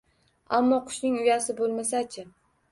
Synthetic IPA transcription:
amːɒqʰʊ̥ʃnɪŋʊjasɪbolˠmasat͡ʃʰɪ

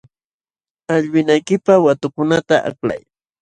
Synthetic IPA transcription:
aʎwɪnajkɪpawat̪ʊkʊnat̪aʔa̰kla̰j

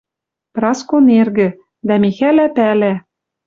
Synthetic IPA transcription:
prɑskonerɣɘ̆ | d̪æmʲixælæpælæ

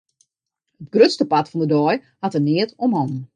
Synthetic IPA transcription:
hətɡrøtstəpatfɔndədɔj | hatənɪətomhɔnn

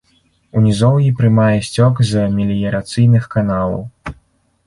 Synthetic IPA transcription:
unʲizɔwjipɾɨmajɛsʲt͡sʲɔkzmʲilʲijɐɾat̪sɨjnɨxkan̪alˠɐ̰w

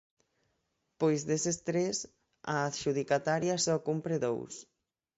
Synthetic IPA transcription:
pojzðesest̪ɾes | a̰ːθʃuð̞ikat̪aɾjasɔkumpɾeðo̰ws

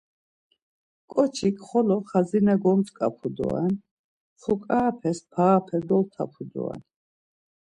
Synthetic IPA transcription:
kʼɔt͡ʃʰikʼχɔlɔχazinɛɡɔmt͡sʼkʼapʰud̪ɔ̰a̰n | χʰukʼaːpʰɛspʰaːpʰɛd̪ɔlt̪ʰa̰pʰud̪ɔ̰a̰n

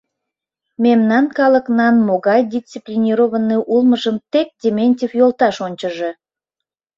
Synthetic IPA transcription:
memnɑnkɑləknɑnmoɣɑjd̪ʲit͡siplʲinʲiɾoβənːeʔulməʒəmt̪ek̚dʲemʲenʲtʲifjolˠt̪ɑʃonʲt͡ɕəʒe

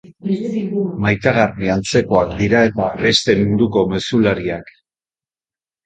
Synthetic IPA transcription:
majt̪aɣ̞ariant͡se̞ko̞akd̪iɾae̞t̪abe̞st̪e̞muɾuko̞me̞sulaɾiak

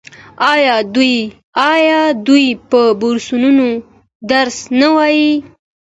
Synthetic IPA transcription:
ɑjɑd̪uj | ɑjɑd̪ujpəbʊɾsununo | d̪aɾsnawɑji

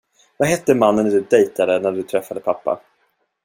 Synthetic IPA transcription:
vaɦɛt̪ːəmanːənd̪ɵd̪ɛjt̪ad̪ənæɖɵt̪ʰɾɛfːad̪əpʰapːa̰

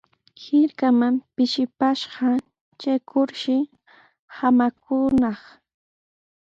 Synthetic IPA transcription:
hɪɾkamampɪʃɪpaʃɢɑ | t͡ʃajkʊɾʃɪ | hamak̚ʊːnɑχ

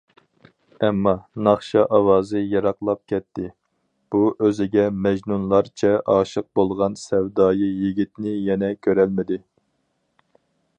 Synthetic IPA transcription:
ɛmːɑnɑχʃɑʔɑwɑːzɨjɑɾɑqlˠɑp̚kʲʰɛt̪ʰːɪ | b̥uʔøzɪɡʲɛmɛʒnunlˠɑɾt͡ʃʰɛʔɑːʃɨq̚bolˠʁɑnsɛwd̪ɑːjijiɡʲit̪nɪjɛnɛkʲʰøɾɛlmɪd̪ɪ

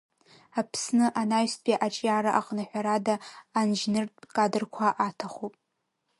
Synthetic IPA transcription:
apʰsnɨʔanaɥstbʼiʔat͡ʃʼjaːɾaʔaqʼnaħʷᶣaɾadaːnʒnɨrtʼkʼadɨrkʷʰaʔatʰaχopʼ

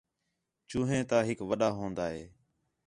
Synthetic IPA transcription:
t͡ʃũːɦẽːt̪aːɦɪkʋəɗaːɦõːnd̪aːɦeː

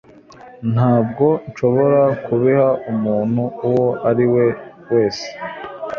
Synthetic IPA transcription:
n̥haːb̚ɡo̞nʃo̞βo̞ɾakuβihaumuːn̥huːwo̞ʔaɾiwe̞ | we̞ːse̥

